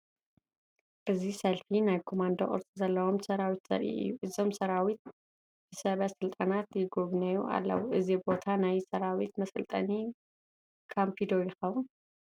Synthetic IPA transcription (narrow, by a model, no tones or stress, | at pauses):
ʔɨzisɐlfinajkʰo̞mand̪oʔʼɨ̰ɾt͡sʼizɐlːɐwo̞msɐɾawit̪z̥ɐ̰ɾʔḭʔɨ̰jːuʔɨzo̞msɐɾawit̪̚ | b̥ɨsɐβɐsɨlt̪ʼanat̪jɪɡoβnɐjuʔa̰lːɐ̰wʔɨzibo̞t̪ʰanajsɐɾawit̪̚mɐsɨlt̪ʼɐ̰ni | kʰampʰid̪ojɪxɐwun